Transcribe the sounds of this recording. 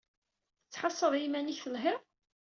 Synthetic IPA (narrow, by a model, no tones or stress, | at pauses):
t͡sːħɑsˤːəðˤimæniçθəlɦɪʁ